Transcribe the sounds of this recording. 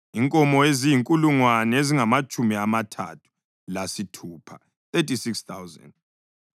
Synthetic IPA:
iŋkʼɔmɔezijiŋkʼuluŋwanɛeziŋamat͡ʃʼumiamatʰa̰tʰu̥ | lasitʰuːpʰa̰ | θetʼisikst̪awza̰nd

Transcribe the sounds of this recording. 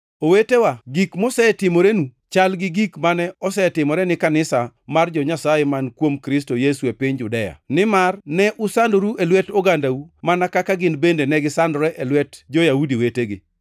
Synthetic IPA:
owetewaɡikmosɛtɪmoɾenu | t͡ʃalɡɪɡikmanɛɔsɛtɪmɔɾɛnɪkanɪsamard͡ʒɔɲasajemankwomkɾɪstojesuepɪɲd͡ʒʊdɛja̰nɪmarnɛʔʊsandoɾuʔelwɛtoɡandaumanakakaɡɪnbendenɛɡɪsandɔɾɛʔɛlwɛtd͡ʒojaudiweteɡɪ̰

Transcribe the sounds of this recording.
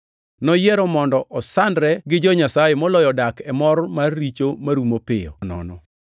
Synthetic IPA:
nɔjɛɾɔmɔndɔʔɔsandɾɛɡɪd͡ʒɔɲasajemɔlɔjɔdakɛmɔrmarːit͡ʃomaɾumopɪjɔ̰nɔ̰nɔ̰

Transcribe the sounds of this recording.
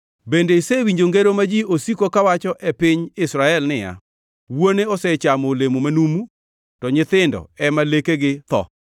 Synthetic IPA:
bendeisewiɲd͡ʒoŋɡeɾomad͡ʒiʔosikokawat͡ʃɔʔɛpɪɲɪsɾaɛlnɪja̰ | woneɔsɛt͡ʃamolemumanumu | tɔɲɪt̪ɪndɔ̰ɛmalekeɡɪt̪ɔ̰

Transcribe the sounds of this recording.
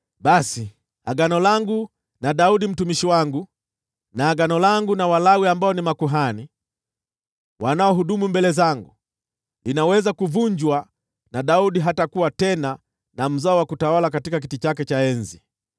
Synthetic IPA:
ɓasi | aɡanɔlaŋɡu | naɗauɗim̩tumiʃiwaŋɡu | naːɡanɔlaŋɡunawalawiambaɔnimakuɦani | wanaɔɦuɗumumbɛlɛzaŋɡu | linawɛzakuvuɲd͡ʒwa | naɗauɗiɦatakuwatɛna | nam̩zaɔwakutawalak̬atikak̬itit͡ʃakɛt͡ʃaɛnzi

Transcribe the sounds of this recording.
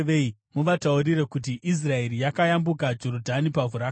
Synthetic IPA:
ʋeimuʋataurire̞kut̬iʔis̬rae̞rijakajambukad͡ʒorudʱanipavuɾa

